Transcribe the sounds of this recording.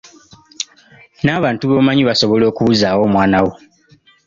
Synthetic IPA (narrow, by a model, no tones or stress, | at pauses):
naːβaːntuβoːmaɲiβaso̞βo̞lo̞ːkuβuzaːwo̞ːmwaːnawo